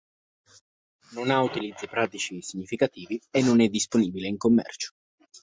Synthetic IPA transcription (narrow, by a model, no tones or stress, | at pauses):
nonaut̪ilid̪zːipɾaːt̪it͡ʃisiɲːifikat̪iːvienːonɛd̪ːisponiːbileiŋkomːɛ̰rt͡ʃo̥